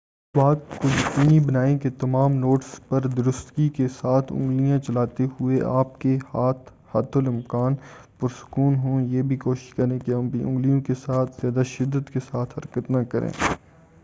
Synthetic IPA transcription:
ɪswaːt̪̚kojɐkiːnibɐnaːẽket̪ɐmaːmnoːʈspɐɾd̪ʊɾʊst̪kikesaːt̪ʰʊ̰̃ŋɡlijãt͡ʃɐlaːt̪eɦʊeʔaːp̚kehaːt̪ʰ | haːt̪ʰʊlɪ̃mkaːn | pʊɾsʊ̥kuːnɦõjeːbʱikoːʃɪ̥ʃkɐɾẽkeɐ̃mbiʔʊ̃ŋɡlijõkesaːt̪ʰz̥jaːd̪aʃɪd̪ːət̪kesaːt̪ʰhɐɾkət̪nɐkɐɾʔḛ̃ː

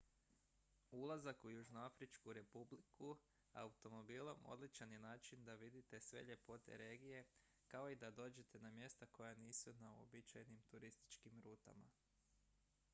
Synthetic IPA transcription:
ulˠazakujuʒnoafɾit͡ʃkuɾe̞publiku | a̰ut̪o̞mo̞biːlˠo̞mo̞̰d̪lit͡ʃanjenaːt͡ʃind̪aʋid̪it̪e̞sʋe̞̰ʎe̞po̞t̪e̞̰ɾe̞ːɡije̞ | kao̞id̪ad̪o̞ːd͡ʒe̞t̪ʰe̞namje̞st̪ako̞janiːsunaṵobit͡ʃajnimt̪uɾist̪i̥t͡ʃkimɾuːt̪a̰ma̰

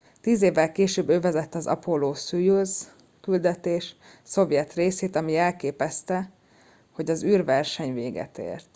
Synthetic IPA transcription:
t̪iːzeːvːɛlkeːʃøːbøːvɛzɛt̪ːɒzɒ̰poloːsyjuz | kyld̪ɛt̪eːʃ | so̞vjɛt̪reːseːt̪ɒmiɛlkeːpɛst̪ɛ | ho̞ɟɒzyːrvɛrʃɛɲveːɡɛ̰t̪ḛːrt̪

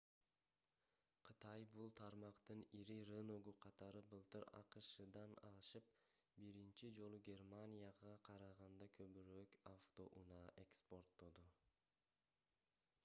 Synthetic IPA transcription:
qʰɯt̪ɑjbulˠt̪ʰɑɾmɑqt̪ɯniɾiɾenoɡuqʰɑt̪ɑɾɯbɯlˠt̪ɯɾɑ̰qɯʃɯd̪ɑnɑ̰lˠɯʃɯp̚ | biɾint͡ʃid͡ʒo̞lˠuɡʲe̞rmanʲijaʁɑqʰɑɾɑʁɑnd̪ɑkʰø̞βyɾøkaft̪o̞ʔunɑe̞kspo̞rt̪ːod̪u

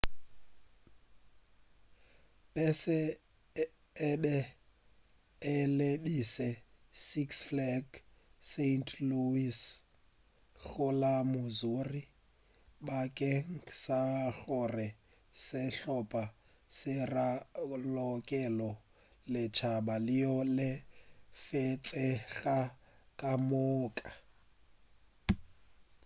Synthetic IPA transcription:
pɛsɪ | bɛ | ɪlebisɛ | siksflɛɡsentʰluis | ɣʊlamʊzuri | bakʼɛŋ̩ksaɣʊrɪ | sɪɬɔpʼa | sɪralɔkʼɛlɔ | lɪt͡ʃʰabalɪjɔlɪfet͡sʼɛɣakʼamɔːkʼa

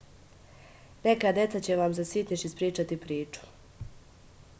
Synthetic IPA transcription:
ne̞kad̪je̞t̪sat͡ɕeʋamzasit̪niʃispɾiːt͡ʃat̪ipɾiːt͡ʃu̥

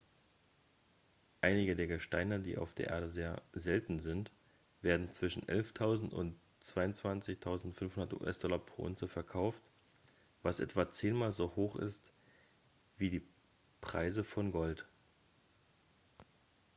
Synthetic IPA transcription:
ʔaɪnɪɡədeːɐɡəʃtaɪnədḭːʔa̰ʊfd̥eːɐʔḛːɐdəzeːɐzɛltn̩zɪnt | v̥eːɐdn̩t͡sv̥ɪʃn̩ʔɛ̰lftʰaʊzn̩tʊ̰nt | t͡sv̥aɪʊnt͡sv̥ant͡sɪçtʰaʊzn̩tfʏnfhʊndɐtṵːʔɛ̰sd̥ɔlɐpʁ̥o̰ːʔʊ̰nt͡səfɛɐkʰaʊft | vasʔɛ̰tv̥at͡seːnmaːlzoːhoːxɪ̰st | v̥iːdiː | pʁ̥a̰ɪzəfɔnɡɔlt

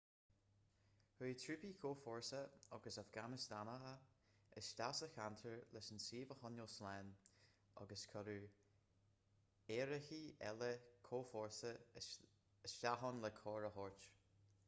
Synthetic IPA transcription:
huːt̪ʰɾʉpikʰoːfɔɹsəɔɡəsafɡanəsd̥̪anəɦə | əsʃtasəxant̪ʰəɹlɛsənsiːvəhɔnjoslɛːn | ʔɔ̰ɡəskʰɔɾu | eːɾəxiɛ̰ləkʰoːfɔɹsə | əʃtaɦɔnlɛkʰɔːɹəhɔɹt͡ʃ

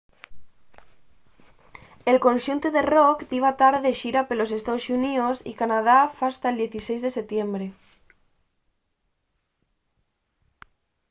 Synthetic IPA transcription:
elkonʲʃunt̪uðerokd̪iβat̪aɾðeʃiɾapelos̬est̪aosuniosḭkanað̞afast̪aeld̪jeθisejzðeset̪jembɾe

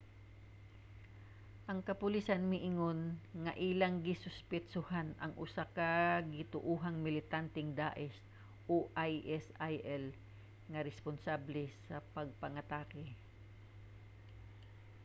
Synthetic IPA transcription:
ʔɐŋkɐpʊlisɐnmɪʔɪŋonŋɐʔilɐŋɡɪsʊspɪt͡ʃʊhanɐŋʔʊsakɐɡɪt̪ʊʔuːɦɐŋmɪlɪt̪ant̪ɪŋd̪aːʔɛs | ʔoʔajʔɛsajʔɛl | ŋɐɾɛspʊnsablɛsɐpɐɡ̚pɐŋɐt̪aːkɪ

